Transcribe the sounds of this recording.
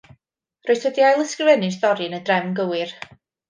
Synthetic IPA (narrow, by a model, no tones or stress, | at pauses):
roɨθədiajlˠəskrɪvɛnɨsdɔɾɨnədrɛmnɡəwɨr